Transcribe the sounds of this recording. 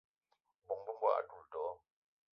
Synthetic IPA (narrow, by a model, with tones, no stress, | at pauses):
bɔ˨ŋbə˦m̩bwa̰˦˨ʔa̰˨tu˨ltɔː˨˦